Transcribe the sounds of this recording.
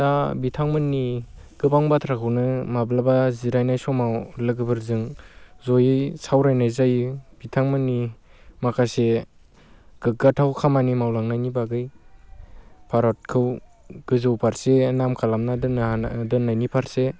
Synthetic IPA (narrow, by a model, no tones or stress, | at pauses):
dabitʰaŋmɯnːi | ɡ̥ɯbaŋbatʰɾakʰɯwnɯmablabaziɾajnajsɔmawlɯɡɯbɯɾzɯŋzɔjɯsawɾajnajzajɯb̥itʰaŋmɯnːimakʰase | ɡ̥ɯɡatʰawkʰamanimawlaŋnajnibaɡɯj | pʰaɾɔt̚kʰɯw | ɡ̥ɯzɯwpʰaɾsenamkʰalamnaddɯnːajnipʰaɾse